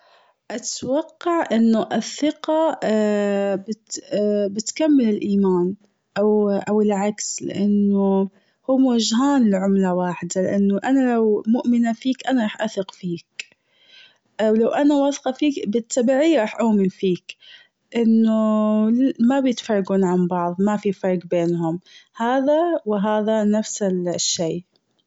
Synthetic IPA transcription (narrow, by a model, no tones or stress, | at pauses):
ʔat̪wɑqːɑʕʔɪnːʊʔɪθːɪqɑ | bɪt̪ːbɪt̪kamːɪlɪlʔiːmaːn | ʔawʔawɪlʕakslɪ̰ʔanːʊ | hʊmwaʒɦaːnlɪʕʊmlawaːħɪd̪alɪ̰ʔanːʊʔanalawmʊʔmɪnafiːkʔanaɾˤɑːħʔaθɪqfiːk | ʔawlawʔanawɑθqɑfiːkbɪt̪ːabiːʕijɾˤɑːħʔʊːmɪnfiːk | ʔɪnːʊ | mabjɪt̪fɑrˤːɑɡuːnʕambɑʕðˤmafifɑɾˤɡbeːnhʊmhaːðawɪɦaːðanafsɪʃːeː